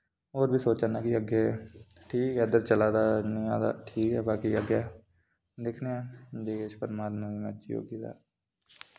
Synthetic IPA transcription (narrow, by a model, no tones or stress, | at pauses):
oːɾbʱisoːt͡ʃanakiəɡe | ʈʰiːkɦɛːd̪əɾt͡ʃəlaːd̪anijaːd̪a̰ʈʰiːkɦɛːbaːkiəɡja | d̪ekʰneɛ̃ːd͡ʒeːket͡ʃpəɾmaːd̪mẽmət͡ʃijo̰ːɡit̪a̰ː